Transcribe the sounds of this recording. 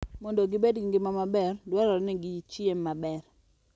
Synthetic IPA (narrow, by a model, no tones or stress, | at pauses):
mɔndoɡɪbedɡiŋɡɪmamabɛrdwaɾɔɾnɛɡit͡ʃemːabɛr